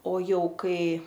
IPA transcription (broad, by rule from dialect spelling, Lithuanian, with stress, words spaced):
oː ˈjɛʊ ˈkɐɪ